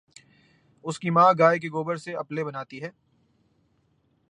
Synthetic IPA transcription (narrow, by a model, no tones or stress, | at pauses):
ʊskimãːɡaːek̬eɡoːbəɾseɐplebɐnaːt̪iɦɛː